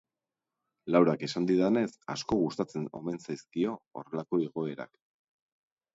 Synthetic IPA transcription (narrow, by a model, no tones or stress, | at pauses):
lawɾake̞sand̪iðane̞sa̰sko̞ɣust̪at͡se̞no̞̰me̞nsajskio̞̰ːre̞lako̞eɣ̞o̞e̞ɾa̰k